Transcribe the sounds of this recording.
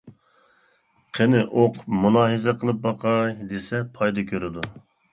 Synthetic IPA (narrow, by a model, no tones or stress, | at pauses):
qʰenɪʔoqʰʊpmunɑːɦɨzɛqʰəlˠɨp̚bɑqʰɑjd̪esɛpʰɑjd̪ɑkʲʰøɾɪd̪u